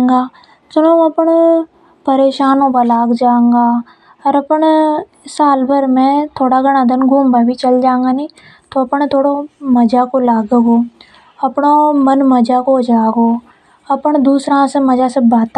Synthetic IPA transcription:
ŋɡaː | sʊnoːɐpəɳ | pəɾeːʃaːnõpalaːɡd͡ʒãːŋɡaː | ɔɾɐpəɳ | saːlbəɾmẽt̪ʰoːɽaɡəɽ̃ad̪ənɡʱuːmbabʱit͡ʃəld͡ʒãːẽŋɡaːniː | t̪oɐpɳt̪ʰoːɽomɐd͡ʒakolaːɡeɡoː | ɐpɳomənməd͡ʒakod͡ʒaːɡoː | ɐpəɳd̪uːsɾãsemɐd͡ʒasebaːt̪

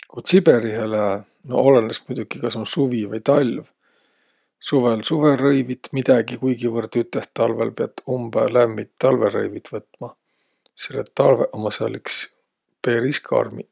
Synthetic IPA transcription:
kut̪sibeɾiɦele | no̰olenesmujd̪̥uɡ̥ikɑsonsuvivɑjt̪ɑlʲv | suvelsuve̞rɤjvit̪mid̪̥ɑɡ̥ikujɡivɤrt̪yt̪ːˑeht̪ːɑlvḛlpeɑ̰t̪ːumb̥elæmːit̪ːɑlveɾɤ̰jvit̪vɤt̪ːˑmɑ | selːet̪ːɑlveʔomɑsɑliks | pe̞ːɾiskʰɑ̰rmḭ

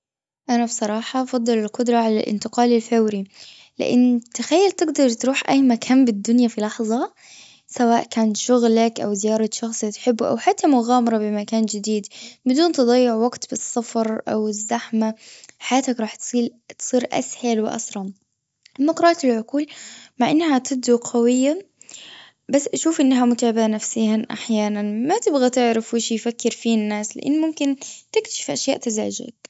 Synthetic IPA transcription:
ʔanabsˤɑɾˤɑːħɑʔɑfɑd̪ˤːɨlɪlqʊd̪ɾˤɑʕala̰lʔɪ̰nt̪ɪqɑːlɪlfawɾi | lɪ̰ʔɪ̰nːt̪axajːalt̪ɪɡd̪ɑɾˤt̪ɾuːħʔajːmakʰaːnbɪd̪ːʊnjafilɑħðˤɑ | sawaːʔkaːnt̪ʃʊɣlakʔawzɪjɑːɾˤɑt̪ʃɑxsˤɪt̪ħɪbːʔa̰wħat̪ʰːamʊɣaːmɑɾˤɑbɪmakaːnd͡ʒɪd̪iːd̪bɪd̪uːnt̪ɨd̪ˤɑjːɪʕwaɡt̪bɨsˤːɑfɾˤʔa̰wɪzːaħmaħajaːt̪akɾˤɑːħt̪siːt̪sˤiːɾʔa̰shalwɪʔɑ̰sɾˤɑm | ʔamːaqɾˤɑːɑtɪlʕʊquːlmaʕʔɪnːhat̪ɪb̚d̪uqʰɑwɪjːa | basːʔaʃuːfʔɪnːaɦamʊt̪aːbɪʔanafsɪːhaʔa̰ħjaːnanmat̪ɪbɣat̪ɪʕɾafwɪʃijfakːɪɾfiːnːaːslɪ̰ʔɪ̰nːmʊmkɪnt̪ɪkt̪ḁʃɪ̥fʔaʃjaːʔt̪aza̰ːʒɪ̰d̪̚

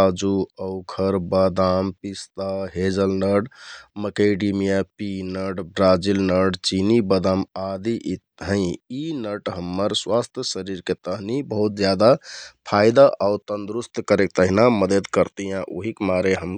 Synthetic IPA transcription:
ad͡ʒuəʊkʰəɾbad̪ampist̪aɦed͡ʒəlnəɖməkeɖimijapinəɖbɾad͡ʒilnəɖt͡ʃinibəd̪amad̪iʔ̪ | ɦə̃ɪ̃inəʈɦəmːəɾswast̪ʰjəsəɾiɾket̪əɦnibəɦut̪̚d͡ʒjad̪apʰajd̪aʔaʊt̪ənd̪ɾust̪kəɾek̚t̪əɦinaməd̪əd̪kəɾt̪ijãʔoɦikmaɾeɦəm

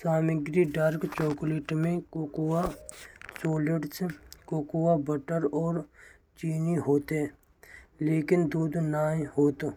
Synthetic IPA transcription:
saːmɪɡɾiɖaɾkt͡ʃoːkliːʈmẽkokuwa | soːleɖskoːkuwabəʈəɾɔːɾ | t͡ʃiːniɦoːt̪ɦɛ | leːkɪnd̪uːd̪naːɦoːt̪ː

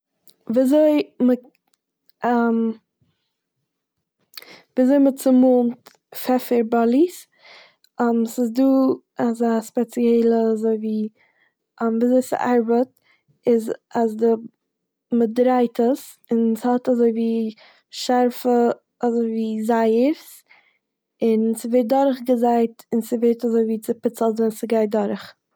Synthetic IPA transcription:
viːazoɪmə | am | viːazoɪmət͡sɪmuːnt | fɛfɪɾbalˠis | amsɪzduː | azaspɛt͡siɛɪlˠəazoɪviː | amviːzoɪsɪ̰ʔaɾbət̚ | ɪzazdə | mədɾaɪtʰəs | ɪnshɔtazoɪviː | ʃaɾfə | azoɪviːzaɪəɾs | ɪnsɪveːt̚dɔɾχɡəzaɪtɪnsɪveɾtazoɪviːt͡sɪpɪt͡səlˠzɛnsɪɡaɪt̚dɔɾχ

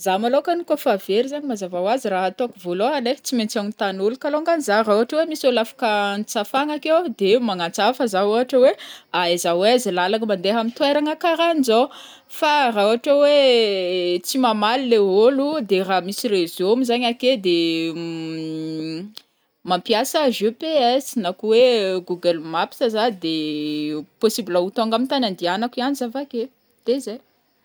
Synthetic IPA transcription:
zamalokanikofaveɾizaɲimazavawaziraɦat̪oakuvoloɦalet͡siment͡sanit̪anulukaloŋɡanzarauɦaʈ͡ʂəwemisolafḁkənt͡safaŋakewd̪emaŋat͡safazaoaʈ͡ʂəweaizaweazilalaŋəmand̪eɦamint̪weɾaŋakaɾaniza | farauɦaʈ͡ʂawe | t͡simamalileɦolud̪eramisirezomizaɲaked̪e | mampijasəʒepeɛsinakuweɡuɡəlmapi̥sazad̪e | posibilaut̪oŋɡamint̪anand̪ianakianizavake | d̪̥ezaj

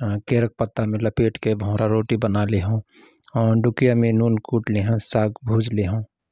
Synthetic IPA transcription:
keːɾək̚pət̪ːamẽləpeːʈkebʱõːɾaɾoːʈibənaːleɦõ | ɔːɾɖʊkijamẽnuːnkuːʈleɦõsaːkbʱuːd͡ʒleɦõː

